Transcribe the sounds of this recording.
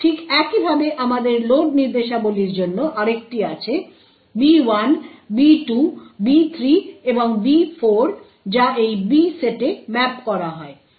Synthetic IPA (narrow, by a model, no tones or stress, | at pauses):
ʈʰikɛkibʱabeʔamad̪eɾloɖ̚niɾd̪eʃaboliɾd͡ʑonːoʔaɾek̚ʈiat͡ɕʰe | biwanbiʈubit̪ʰɾieboŋbifoɾ | d͡ʑaʔejbiseʈemɛpkɔɾaɦɔe